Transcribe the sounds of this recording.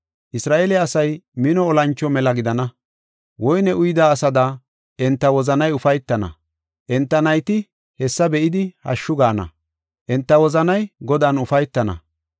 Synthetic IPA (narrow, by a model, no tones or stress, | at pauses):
ʔɪsɾaːʔelɪɐsɐjmɪnɔːlɐnt͡ʃːɔmɛlɐɡɪd̪ɐnɐ | wɔjnɛʔʊjd̪aːsɐd̪a | ʔɛnt̪ːɐwɔzɐnɐjʊfɐjt̪ːɐnɐ̰ | ʔɛnt̪ːɐnɐjt̪ɪ | hɛsːɐbɛʔɪd̪ɪhɐ̰ʃːʊɡaːnɐ̰ | ʔɛnt̪ːɐwɔzɐnɐjɡɔd̪aːnʊfɐjt̪ːɐnɐ̰